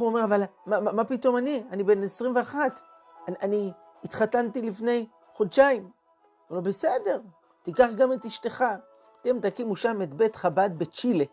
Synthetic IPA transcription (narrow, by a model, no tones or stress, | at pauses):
uomeʁavalmaamapito̞manianibe̞nesʁimveaχat | aani | itχatantilifne̞j | χodʃaim | omebese̞de̞ʁ | tikaχɡametiʃte̞χa | t̪emt̪akimuʃame̞tbe̞tχabad̚be̞t͡ʃile